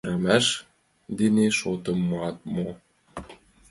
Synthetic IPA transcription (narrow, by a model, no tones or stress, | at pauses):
ɾæmæʃ | d̪ineʃot̪ɤ̆mːoɑt̪̚mo